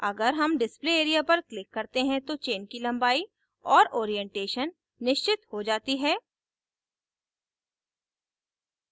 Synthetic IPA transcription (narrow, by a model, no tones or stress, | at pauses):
ɐɡəɾɦɐmɖɪspleeːɾijapɐɾklɪkːɐɾt̪eɦɛ̃t̪ot͡ʃeːnkilɐ̃mbaːi | ɔːɾoːɾijɛ̃ɳʈeːʃənː | ɪʃt͡ʃɪt̪hod͡ʒaːt̪iɦɛː